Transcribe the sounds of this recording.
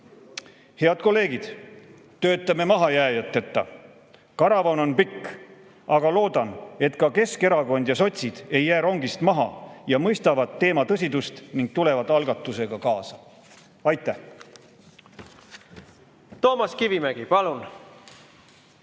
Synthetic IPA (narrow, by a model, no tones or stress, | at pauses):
he̞ɑd̪̥ko̞lːe̞ːɡ̥id̪̥ | t̪ø̞ːt̪ːˑɑme̞mɑɦɑjæːjɑt̪ːet̪ːɑ̰ | kɑɾɑvɑno̞npikː | ʔɑɡ̥ɑlo̞ːd̪̥ɑne̞t̪kɑke̞ske̞ɾɑko̞nʲd̪jɑso̞t̪ʲsid̪̥e̞jːæːɾo̞ŋɡ̥ist̪mɑɦɑ̰jɑmɤjst̪ɑvɑd̪ːe̞ːmɑt̪ɤs̬ʲid̪ust̪niŋɡ̥̚t̪ule̞vɑt̪ːˑɑlɡɑt̪ːˑuse̞ɡ̥ɑkɑːsɑ̥ | ɑjt̪ːˑæh | t̪o̞ːmɑskivimæɡ̥ipɑlun